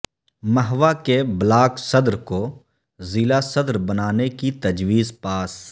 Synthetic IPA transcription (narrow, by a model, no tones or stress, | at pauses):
məɦʋakeblaːksəd̪ɾko | zilasəd̪ɾbənaːnekit̪əd͡ʒʋiːzpaːs